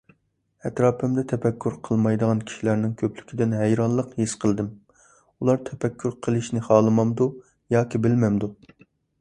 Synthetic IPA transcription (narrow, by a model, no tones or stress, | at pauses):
ɛt̪ɾɑːpɪmd̪ɛt̪ʰɛpɛkʲːyɾqʰəlˠmɑjd̪əʁɑnkʲʰi̥ʃilæɾnɪŋkʲʰøpʰly̥kʲʰid̪ɪnɦɛjɾɑnlˠəqhisqʰəlˠd̪ɨm | ulˠɑɾt̪ʰɛpɛkʲʰːyɾqʰəlˠɨʃnɪχɑːlˠɨmɑmd̪u | jɑːkʲibɪlmɛmd̪u